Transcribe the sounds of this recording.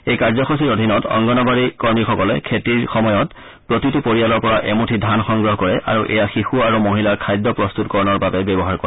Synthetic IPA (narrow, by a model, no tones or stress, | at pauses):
ejkaɹzɔkʰosiɹodʱinɔtɔ̰ŋɡɔnɔbaɹikɔɹmixɔkɔlɛkʰetiɹxɔmɔjɔt | pɹotitupoɹijalɔɹpɔɹaʔɛmutʰidʱanxɔŋɡɹɔɦkɔɹɛʔa̰ɹuʔɛ̰jaxixuaɹumoɦilaɹkʰajdːɔpɹɔst̪utkɔɹɔnɔɹbabɛbjɛbɔɦaɹkɔɹɛ